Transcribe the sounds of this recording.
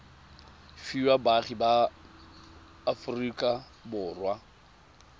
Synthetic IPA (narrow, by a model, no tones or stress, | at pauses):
fiwabaχiba | frikʼa | bʊːrwa